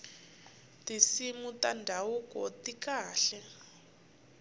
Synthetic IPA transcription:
tisimutandʱawukʼɔtikaːɬɛ

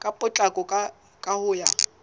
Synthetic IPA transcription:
kʼapʼʊt͡ɬʼakʼɔkʼa | kʼahʊːja

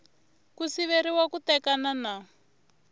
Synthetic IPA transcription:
kusiβeɾiwakut̪ɛkanana

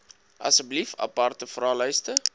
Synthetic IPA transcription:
ʔɐ̰səblifɐ̰pɐrtəfrɑːlœjstə

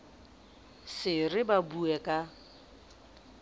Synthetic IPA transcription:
sɪrɪbabuɛkʼa

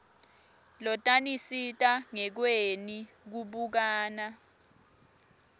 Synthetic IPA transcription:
lɔtʼanisitʼaŋɛk̬weni | k̬uɓuk̬aːna

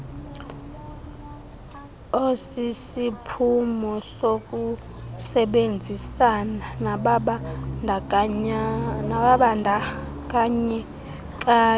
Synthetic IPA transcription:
osisipʰumɔsok̬ʼu | sɛɓend͡zʱisanaɓ | naɓaɓandʱa | k̬ʼaɲɛ | k̬ʼaː

